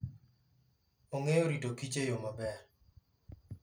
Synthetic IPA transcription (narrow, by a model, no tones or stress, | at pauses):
oŋejoɾitokit͡ʃejomabɛɾ